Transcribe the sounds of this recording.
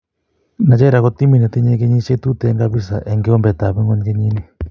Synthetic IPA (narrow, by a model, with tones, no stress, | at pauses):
na˨d͡ʒɛ˦ɾa˨kɔ˦t̪i˦mi˦˨nɛ˨t̪i˦ɲe˦k̬e˦ɲi˦t͡ʃe˦t̪u˦t̪ɛ˨˦ŋka˦bi˦s̬a̰˨ʔɛ˨ŋɡɪ˦ɔ˦mbɛ˨t̪a˨bɛ˦ŋɔ˦ɲke˦ɲi˦ni˦